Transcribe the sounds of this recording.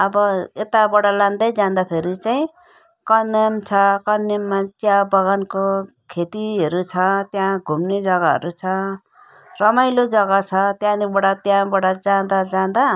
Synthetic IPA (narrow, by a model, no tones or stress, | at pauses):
ʌbʌet̪abʌɽalãnd̪ʌjd͡zãnd̪apʰeɾit͡saĩ | kʌnemt͡sʰʌkʌnemːatjãbʌɡanko | kʰet̪iɦʌɾut͡sʰʌt̪jãɡʱumned͡zʌɡaɦʌ̰ɾut͡sʰʌ | rʌmajlod͡zʌɡat͡sʰʌt̪jãnibʌɽat̪jãbʌɽad͡zãd̪ad͡zãd̪a